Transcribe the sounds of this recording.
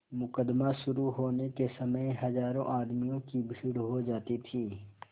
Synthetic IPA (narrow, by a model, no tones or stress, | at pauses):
mʊkəd̪maʃʊɾuɦoːnekesɐməjɦɐzaːɾõ̰ʔaːd̪mijõkibʱiːɽɦod͡ʒaːt̪it̪ʰiː